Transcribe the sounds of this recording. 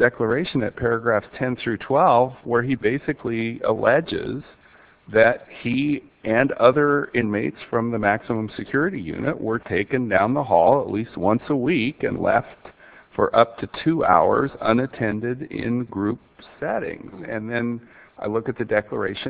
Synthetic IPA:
d̥ɛklə˞eɪʃɨ̃nɨt̚pʰɛɹɨɡɹæftʰɛ̃nθɹʉtʰw̥ɛlˠvwə˞ibeɪsɨkʰliə̰lɛd͡ʒɪ̰z | ðɨt̚hi | ʔɨ̃nʌðə˞ɪ̃nmeɪtsfɹʌ̃mðɨmæksəmə̃msɨkʰj̥ʊɹɨɾijʉ̰nɨ̰ʔwə˞tʰeɪkɨ̃ndãʊ̃nðəɦɔlˠəʔˡlist̚wʌ̃nsəwikɨ̰̃nlɛ̰ft | fə˞ʔʌp̚tʰɨtʰʉa̰ʊə̰˞zʌ̃nɨtʰɛ̃ndɪɾɪ̰̃nɡɹʉp̚sɛɾɪ̰̃ŋzɨ̃nðɨ̃naɪlʊkɨt̪̚ðɨdɛklˠə˞eɪʃɨ̃

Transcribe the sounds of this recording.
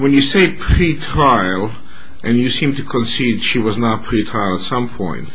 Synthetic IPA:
wɛ̃njɨseɪpʰɹitʰɹaɪlˠ | ʔɨ̃njɨsĩmtɨkʰə̃nsidʃiwʌznət̚pʰɹ̥itʰɹaɪlˠətsʌ̃mpʰɔ̰̃ɪ̃nt

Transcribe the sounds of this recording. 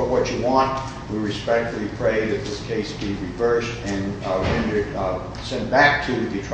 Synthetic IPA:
wʌt͡ʃɨwɑ̃nt | wiɹɨspɛk̚tfəlˠipʰɹ̥eɪðɨt̪̚ðɪskʰeɪsb̥iɹivɜ˞stɨ̃nɹɛ̃ndə˞d | sɛ̃nb̥æk̚tʰɨðɨtʰ

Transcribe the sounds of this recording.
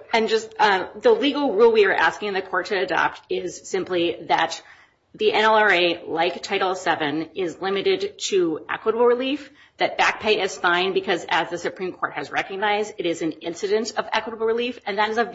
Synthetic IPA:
ɨ̃nd͡ʒʌstʌðəliɡl̩ˠɹulˠwiə˞ʔæ̰skɪ̃ŋðɨkʰɔɹtʰɨːdɑ̰p̚tɪz̥sɪ̃mpliðɨt̪̚ | ðiʔɛ̃ñɛlˠə˞eɪlaɪktʰaɪɾl̩ˠsɛvɨ̃nɪzlɪ̃mɨɾɪd̚tʰɨʔɛ̰kwəɾəbl̩ˠɹɨlif | ðɨt̚b̥æk̚pʰeɪɨz̥fãɪ̃nbɨkʰʌzɨzðɨsɨpʰɹ̥ĩmkʰɔɹt̚hɨzɹɛkɨɡ̚naɪzdɨɾɨzɨ̃nɪ̃nsɨɾɨ̃ntʌvɛ̰kwəɾəbl̩ˠɹɪlifɨ̃nðɨɾɨzə

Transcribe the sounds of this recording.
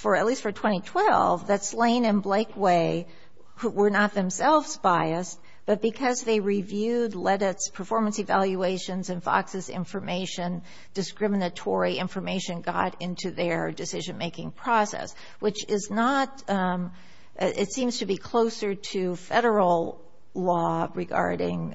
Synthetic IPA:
fə˞ɨtˡlistfə˞tʰw̥ɛ̃ɾ̃itʰw̥ɛ̰lˠvðɨtslẽɪ̃nɨ̃nbleɪkweɪ | hwə˞nət̪̚ðɨ̃msɛlˠvzbaɪɨs | b̥ʌt̚b̥ɨkʰʌzðeɪɹivjʉdˡlɛɾɪtspʰə˞fɔɹmə̃nsɨvælˠjueɪʃɨ̃nzɨ̃nfɑ̰ksɨzɪ̰̃ɱfə˞meɪʃɨ̃n | d̥ɨskɹɪ̃mənɨtʰɔɹiɪ̃ɱfə˞meɪʃɨ̃nɡɑ̰ɾɪ̃ntʰʉðə˞dɨsɪʒɨ̃nmeɪkɪ̃ŋpʰɹ̥ɔsɛ̰s | wɨt͡ʃɪznət | ʔɪtsĩmz̥tʰɨbikʰl̥oʊsə˞ɾɨfɛɾə˞l̩ˠ | lɔɹɨɡɑ̰ɹɾɪ̰̃ŋ

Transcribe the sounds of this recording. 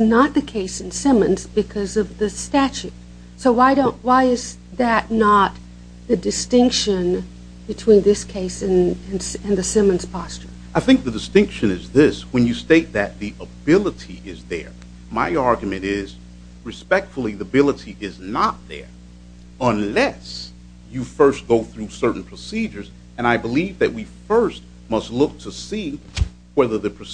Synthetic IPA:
nət̪̚ðɨkʰeɪsɨ̃n̩sɪ̃mɨ̃nzbɨkʰʌzʌvðɨstæt͡ʃʉt̚ | soʊwaɪɾõʊ̃nʔwaɪɪz | ðɨtⁿnət̪̚ | ðɨdɨstɪ̃ŋkʃɨ̃n | b̥ɨtʰw̥ĩnðɪskʰeɪsɨ̃nɨ̃nsɨ̃nðɨsɪ̃mɨ̃nz̥pʰɑst͡ʃə˞ | ʔaɪθɪ̃ŋk̚ðɨdɨstɪ̃ŋkʃɨ̃nɨzðɪswɨ̃njɨsteɪt̪̚ðɨt̪̚ðiʔəbɪlˠəɾiʔɪzðə̰˞ | maɪɑɹɡjmɨ̃ñɪz | ɹɨspɛk̚tfl̩ˠiðəbɪlˠəɾiʔɪznət̪̚ðə̰˞ | ə̃nlɛs | jɨfɜ˞stɡ̥oʊθɹusɜ˞ʔn̩pʰɹ̥əsid͡ʒə˞z | ɨ̃ñaɪbəlivðɨt̚wifɜ˞st̚ | mʌstˡlʊk̚tʰəsi | wɛðə˞ðɨpʰɹ̥ɨ

